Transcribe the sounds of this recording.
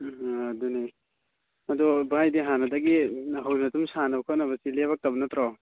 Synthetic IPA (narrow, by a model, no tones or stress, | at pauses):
aduni | ɐdɔbajdiɦanadaɡiɦawnatumsanabkʰanaβɐsilebak̚tabɐnɐtɾɔ